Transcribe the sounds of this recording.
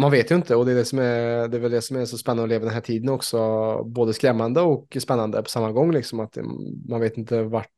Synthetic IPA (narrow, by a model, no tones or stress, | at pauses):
manveːt̪jɵɪnt̪əɔd̪ɛɖ̪ɛsɔmæd̪ɛævɛld̪ɛsɔmæʂɔspɛnːanɔleːvad̪ɛnɦæːʈʰiːd̪ənɔksɔboːd̪əskɾɛmːand̪əɔkspɛnːand̪ə̰pʰɔ̥samːaɡɔŋːlɪksɔmat̪manveːt̪ɪnt̪əvaʈ